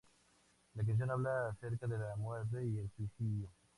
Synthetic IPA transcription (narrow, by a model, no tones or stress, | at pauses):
lak̬anθ̬jonaβlaθeɾkaðelamweɾt̪̬eielswiθiðjo